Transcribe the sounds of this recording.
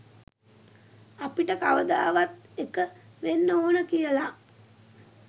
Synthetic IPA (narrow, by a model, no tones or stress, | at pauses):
apiʈəkaʋəd̪aːʋat̪ekəʋenːoːnəkijəla